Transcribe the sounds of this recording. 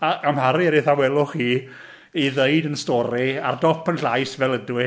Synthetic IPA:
aamhaɾiəɾɪθawɛlˠʊχiː | iðejdənstɔɾia̰rdɔpʰənɬajsvɛlˠədwɪ

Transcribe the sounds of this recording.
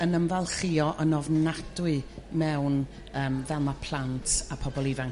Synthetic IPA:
ənəmvalˠχiɔʔənɔvnadwɨmɛwn | əːmvɛnapʰl̥ˠantʰapʰɔbɔlˠivaŋ

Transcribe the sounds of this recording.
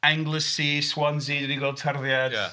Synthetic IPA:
aŋɡlˠəsiswɔnziːdɾiɡwɛlˠd̚tʰarðjad̥̰

